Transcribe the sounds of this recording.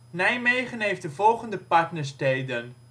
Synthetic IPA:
nɛjmejχənɦejftdəvɔlˠχəndəpɑɹtnəɹstejdən

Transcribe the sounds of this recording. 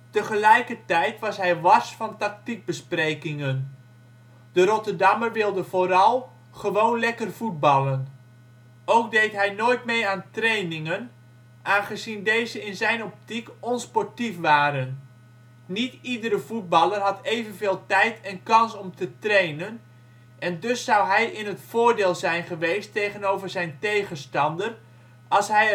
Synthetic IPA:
təχəlɛjkərtɛjtʋɑsɦɛjʋɑsfɑntɑk̚tik̚bəsprejkɪŋən | d̥əɾɔtərdɑmərʋɪlˠdəv̥oɾɑlˠ | χəʋownlɛkərvut̚bɑlən | owk̚dejtɦɛjnoːjtmejaːntrejnɪŋən | ʔaːnχəzindejzəɪnzɛjnɔp̚tikɔnspɔɹtifʋaːɾənː | itidəɾəvud̚bɑlˠərɦɑtejvənveːlˠtɛjtɛnkɑnsɔmtətrejnən | ʔɛndʏsːʌwɦɛjɪnɦətfʊːrdeːlˠzɛjnχəʋejstejχənowvərzɛjntejχənstɑndər | ɑlˠsɦɛj

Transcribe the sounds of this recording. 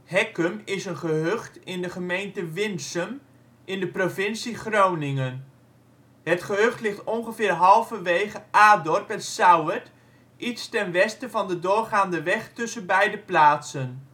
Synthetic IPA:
hɛkəmɪsənχəɦøχtɪndəχəmejntəʋɪnsəm | ʔɪndəprovɪnsiχrownɪŋən | ɦətχəɦɵχtlɪχtɔnχəvɪːrɦɑlˠvəʋejχəʔaːdɔrpɛnsawət | ʔitstɛnʋɛstəvɑndədʊːrχaːndəʋɛχtɵsənbɛjdəplaːtsən

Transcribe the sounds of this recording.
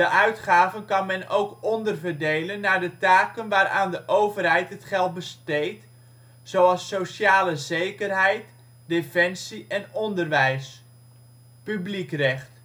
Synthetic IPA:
dəʔœɥtχaːvənkɑnmɛno̰wkɔndərvərdejlənːaːdətaːkənʋaːɾʔa̰ːndəʔowvərɦɛjtɦətχɛlˠt̚bəstejt | sowɑlˠsowsaːləzejkərɦɛjt | defɛnsiʔɛnɔndərʋɛjs | pyblikrɛχt

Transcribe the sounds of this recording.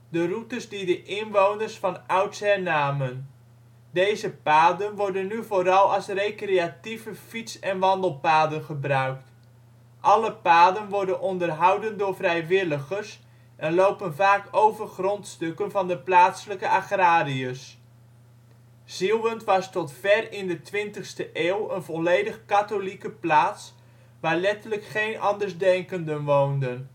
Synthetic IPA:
dərutəzdidəʔɪnʋownərsfɑnʌwtsɛnaːmən | dejzəpaːdənʋɔɹdənːyvoːɾɑlˠɑlˠsrejkrejativəfitsɛnʋɑndəlˠpaːdənχəbrœɥkt | ʔɑləpaːdənʋɔɹdənʔɔndərɦɑwdəndʊːɹvrɛjʋɪləχəɹs | ʔɛnlowpənvaːkowvərχrɔntstɵkənvɑndəplaːtsələkəʔaχraːriəs | z̥ilˠʋəntʋɑstɔtfɛrɪndətʋɪntəχstəʔeːwˠənvɔlejdəχkatolikəplaːts | ʋaːɹlɛtələkχejnʔɑndərzdɛŋkəndənʋowndən

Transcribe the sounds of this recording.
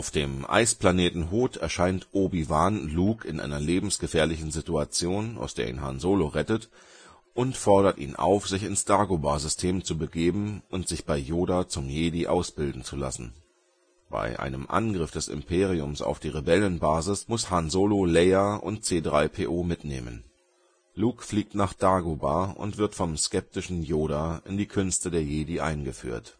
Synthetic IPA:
ʔaʊfd̥eːmʔa̰ɪsplaneːtn̩ɦoːtʰɛɐʃaɪntʔobivaːnluːkɪnʔa̰ɪnɐleːbm̩sɡ̥əfɛːɐlɪçn̩zituat͡sjoːnʔa̰ʊsd̥eːɐʔḭːnɦa̰nzoːloʁɛtət | ʔʊntfɔɐɾɐtḭːnʔa̰ʊfz̥ɪçɪnsd̥aɐɡobaːzʏstʰeːmt͡subəɡeːbm̩ʊntz̥ɪçb̥aɪjoːdaːt͡sʊmjeːdiʔaʊsb̥ɪldn̩t͡sula̰sn̩ | b̥a̰ɪʔa̰ɪnəmʔa̰nɡʁɪfd̥ɛsɪ̰mpʰeːʁ̞iʊmsa̰ʊfd̥iːʁebɛlənbaːzɪsmʊshanzoːlolɛːaʔʊ̰ntt͡seːdʁaɪpʰeːʔoːmɪtnḛːmə̰n | luːkfliːk̚tnaːχd̥aːɡobaːʔʊ̰ntv̥ɪɐtfɔmskɛp̚tɪʃn̩joːɾaːʔɪndiːkʰʏnstədeːɐjeːdiʔa̰ɪnɡəfy̰ːɐt

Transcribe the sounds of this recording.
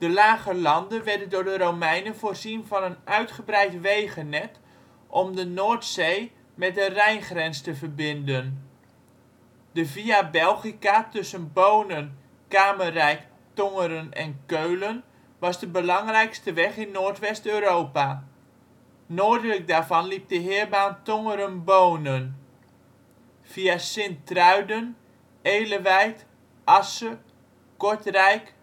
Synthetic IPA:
d̥əlaːɣəlɑndənʋɛrdəndʊɹdəɾowmɛjnəvoːrzinvɑnənœɥtχəbrɛjtʋejɣənːɛt | ʔɔmdənoːrtsej | mɛt̚dərɛjnχrɛnstəvərbɪndən | dəviabɛlˠχikatɵsənboːnən | kaːmərɛjk | tɔŋəɾənɛnkøɥlən | ʋɑsdəbəlɑŋrɛjkstəʋɛχɪnːoːrtʋɛstøːɾoːpa | noːdələk̚daːvɑnlip̚dəɦɪːərbaːntɔŋəɾənboːnən | v̥iasɪntrœɥdən | eːləʋɛjt | ʔɑsə | kɔɹtrɛjk

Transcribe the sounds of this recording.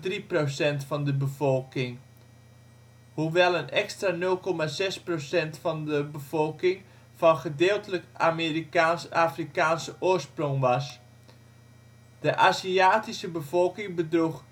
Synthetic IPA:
driprosɛntfɑndəbəvolˠkɪŋ | huʋɛlˠənɛkstranɵlˠkɔmazɛsprosɛntfɑndəbəv̥olˠkɪŋ | v̥ɑnχədɪːlˠtələkameriaaːfrikaːnsəʊːərsprɔŋʋɑs | d̥əʔaːziaːtisəbəv̥ɔlˠkɪŋbədruχ

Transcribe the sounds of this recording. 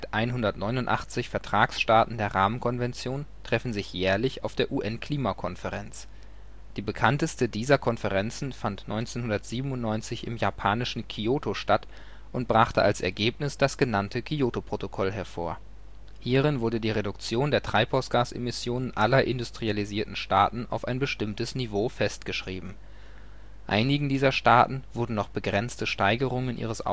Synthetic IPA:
atʔaɪnɦʊndɐtnɔʏnʊntʔa̰χt͡sɪçfɛɐtʁ̥aːksʃtaːtn̩deːɐʁaːmənkʰɔnvɛnt͡sjoːntʁ̥ɛfn̩zɪçjɛːɐlɪça̰ʊfd̥eːɐʔuːʔɛnkʰl̥iːmakʰɔnfəʁɛnt͡s | d̥iːbəkʰantəstədiːzɐkʰɔnfəʁɛnt͡sn̩fantnʔɔʏnt͡seːnhʊndɐtz̥iːbm̩ʊntnɔʏnt͡sɪçɪ̰mjaːpʰaːnɪʃn̩kʰioːtʰoʃtat | ʔʊnt̚b̥ʁaχtə̰ʔalsʔɛ̰ɐɡeːpnɪsd̥asɡ̥ənantʰəkʰioːtopʁ̥otokʰɔlɦɛɐfoːɐ | hiːʁɪnvʊɐdədiːʁedʊk̚t͡sjoːndeːɐtʁ̥aɪphaʊsɡ̥aːsʔḛmɪsjoːnənʔalɐʔɪndustʁ̥ializiːɐtn̩ʃtaːtn̩a̰ʊfa̰ɪnbəʃtɪmtəsnivoːfɛstɡ̥əʃʁ̥iːbm̩ | ʔa̰ɪnɪɡŋ̩diːzɐʃtaːtn̩v̥ʊɐdn̩nɔχb̥əɡʁɛnt͡stəʃtaɪɡəʁʊŋənʔḭːʁ̞əsa̰

